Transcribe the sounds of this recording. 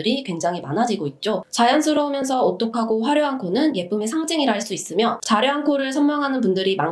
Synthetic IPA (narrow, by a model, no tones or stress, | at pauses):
ɯɾikwe̞ŋd͡ʑaŋɦimanad͡ʑiɡoit̚t͡ɕ͈ot͡ɕajansʰɯɾʌumjʌns̬ʰʌot͈okʰaɡoɸwaɾjoɦaŋkʰonɯnje̞p͈ʰume̞sʰaŋd͡ʑeŋiɾaɦaɭs͈uis͈ɯmjʌt͡ɕaɾjoɦankʰoɾɯɭs̬ʰʌmmaŋɦanɯnpundɯɾimaŋ